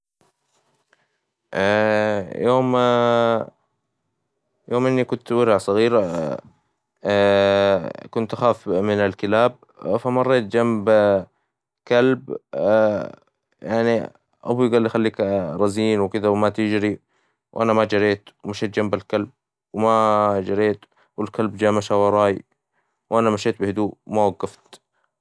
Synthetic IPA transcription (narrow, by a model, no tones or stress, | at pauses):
ʔajʔoːm | joːmʔɪnːikʊnt̪wɪɾʕasˤɑɣiːɾ | kʊnt̪xaːfmɪnalkɪlaːb̚ | famɑrˤːeːt̪̚d͡ʒamb | kalb | jaʕni | ʔa̰bujɡaːlːʔxalːiːkɾˤɑziːnwɪkɪd̪awmat̪ɪd͡ʒɾi | wʔanamad͡ʒɑɾeːt̪wmaʃeːt̪̚d͡ʒambalkalb̚ | wmad͡ʒɑɾeːt̪ | wɪlkalbd͡ʒaːmaʃawɑɾˤɑːj | wʔanamaʃeːt̪̚bɪhɪd̪uːwmawaɡːɑft̪